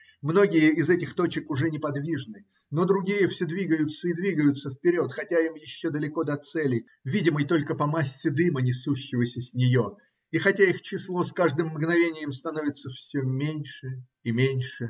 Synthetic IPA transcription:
mno̞ɡʲɪjəɪzɛtʲɪxt̪o̞t͡ɕɪkʊʐɛnʲɪpɐd̪vʲiʐnɨ | no̞d̪ɾʊɡʲijəfsʲod̪vʲiɡəjʊt̪səid̪vʲiɡəjʊt̪səfpʲɪɾʲo̞t̪xɐtʲaimjɪɕːo̞d̪əlʲɪko̞d̪ɐt̪sɛlʲɪ | vʲidʲɪməjt̪o̞lʲkəpɐmasʲːɪd̪ɨmənʲɪsuɕːɪvəsʲəsʲnʲɪjo̞ | ixɐtʲaixt͡ɕɪslˠo̞skaʐd̪ɨmːɡnɐvʲenʲɪjəmst̪ɐnovʲɪt̪səfsʲɵmʲenʲʂɨ | imʲenʲʂɨ

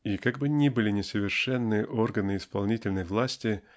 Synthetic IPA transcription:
ikaɡ̚bɨnʲibɨlʲɪnʲɪsəvʲɪrʂɛnːɨjəʔo̞rɡənɨɪspɐlˠnʲitʲɪlʲnəjvlˠasʲtʲɪ

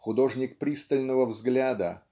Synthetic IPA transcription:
xʊd̪o̞ʐnʲɪk̚pɾʲist̪əlʲnəvəvzɡlʲad̪ə̰

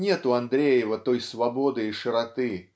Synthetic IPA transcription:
nʲɛt̪uand̪ɾʲejɪvɐt̪ɔjsvabɔd̪ɨiʂɨɾat̪ɨ

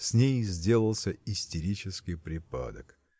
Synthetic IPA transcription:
sʲnʲejzʲdʲe̞lˠəlˠsʲəɪsʲtʲɪɾʲit͡ɕɪskʲɪjpɾʲɪpa̰d̪ək

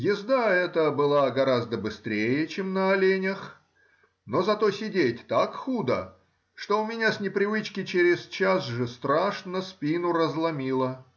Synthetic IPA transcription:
jɪzd̪aɛt̪əbɨlˠaɡɐɾazd̪əbɨst̪ɾʲejət͡ɕemnəɐlʲenʲəx | no̞zɐt̪o̞sʲɪdʲetʲt̪akxud̪ə̰ | ʂt̪oʊmʲɪnʲasʲnʲɪpɾʲɪvɨt͡ɕkʲɪt͡ɕeɾʲɪst͡ɕasʐɨst̪ɾaʂnəspʲinʊɾəzlˠɐmʲilˠə

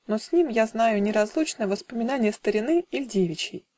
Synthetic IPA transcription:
nosʲnʲimjaznajʊnʲɪɾɐzlˠut͡ɕnəjəvəspəmʲɪnanʲɪjəst̪əɾʲɪnɨɪlʲdʲevʲɪt͡ɕɪj

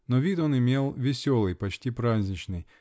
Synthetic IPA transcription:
nɔʋʲit̪ɔnɪmʲelˠvʲɪsʲɔlˠɨjpɐt͡ɕʲtʲipɾazʲnʲit͡ʃnɨj

